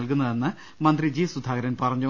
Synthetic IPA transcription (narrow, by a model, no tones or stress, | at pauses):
ɐlk̬unːɐðe̞nːɨ | mɐnd̪rid͡ʑiːsud̪ʱaːɡɐɾɐnpɐrɐɲːu